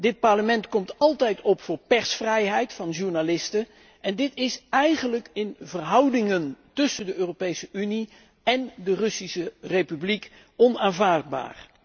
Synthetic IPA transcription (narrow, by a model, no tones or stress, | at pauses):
dɪt̚pɑɹləmɛntkɔmtɑlˠtɛjtʰɔpfʊːɹpɛɹsfrɛjɦɛjtfɑnʒuɹnalɪstə | ɛndɪtɪsɛjχənləkɪnvərɦɑwdɪŋəntɵsəndəøːropejsəʔyni | ɛndərɵsisərejpyblik | ɔnaːnvaːɹd̚ba̰ːr